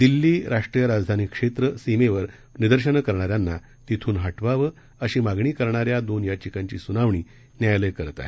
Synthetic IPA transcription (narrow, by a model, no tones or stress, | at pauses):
d̪ilːiːɾaʂʈɾijəɾad͡zd̪ʱanikʂet̪ɾəsimeʋəɾ | nid̪əɾɕənkəɾɳ̃aɾjanːa | t̪it̪ʰuːnɦaʈʋaʋə | əɕiːmaɡɳiːkəɾɳaɾjad̪onjat͡ɕikãɲt͡ɕiːsunaʋɳiː | njajləjkəɾt̪a̰ɦ